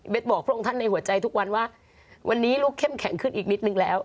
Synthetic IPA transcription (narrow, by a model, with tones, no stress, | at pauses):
we˦˥t̪̚bɔː˨˩k̚ʰɾɔ˥˩˨ŋt̪a˥˩nːa˧jhɦu˩˦ɐt͡ɕa˧jt̪ʰu˦˥k̚wa˧nwaː˥˩ | wʔa˧nːiː˦˥luː˥˩kʰːe˥˩mkʰɛ˩˦ŋkʰɯ˥˩nʔiː˨˩k̚ni˦˥t̪̚nɯ˧ŋlɛː˦˥w